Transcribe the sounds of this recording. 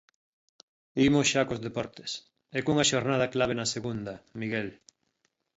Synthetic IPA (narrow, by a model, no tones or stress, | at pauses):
imosʃakozðepɔɾt̪e̥s | ekuŋaʃoɾnað̞ɐklaβ̞enɐseɣund̪ɐmiɣel